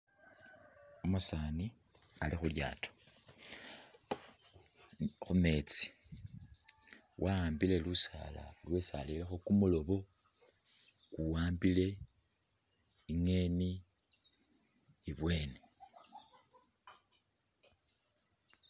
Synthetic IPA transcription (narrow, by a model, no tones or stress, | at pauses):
omusaːni | alixulja̰ːtʰo̥ | xume̞t͡si̥ | wʔaaːmbile̞lusa̰ːla̰lwe̞salilexokumulo̞βo̞ | kuwaːmbile̞ | iŋe̞ni | βwe̞ːne